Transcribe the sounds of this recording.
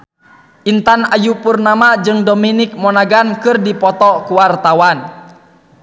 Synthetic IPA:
ʔint̪anajupurnamad͡ʒɨŋdɔminik̚mɔnaɡankɨrdipɔt̪ɔkuwart̪awan

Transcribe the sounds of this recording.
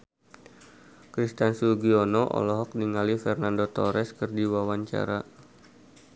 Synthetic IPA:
kɾist̪ansuɡiɔnɔʔɔ̰lɔɦɔk̚niŋalifɛrnandot̪ɔɾɛskɨrdiwawaɲt͡ʃa̰ɾa

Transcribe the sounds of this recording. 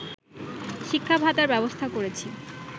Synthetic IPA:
ʃikʰːabʱat̪aɾbɛbost̪ʰakoɾet͡ɕʰi

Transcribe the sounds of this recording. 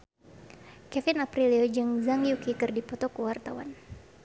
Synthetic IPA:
kɛfinapɾiliɔd͡ʒɨŋzaŋjukikɨrdipɔt̪ɔkuwart̪awa̰n

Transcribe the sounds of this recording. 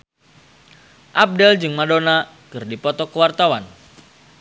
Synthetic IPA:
ʔab̚dɛld͡ʒɨŋmadona | kɨrdipɔt̪ɔkəwart̪awan

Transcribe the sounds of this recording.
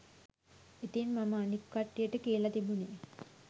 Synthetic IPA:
et̪enmaməːnikːaʈːijəʈəkeːlat̪ibune

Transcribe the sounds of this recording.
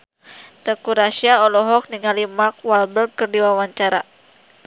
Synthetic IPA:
t̪əkuɾasiaɔlɔɦɔk̚niŋalimak̚walbərɡ̚kərdiwawaɲt͡ʃaɾa

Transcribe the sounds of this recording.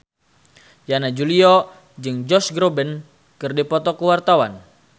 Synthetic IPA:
janad͡ʒuliɔ | d͡ʒɨŋd͡ʒɔsɡɾobɛn | kɨrdipɔt̪ɔkəwart̪awan

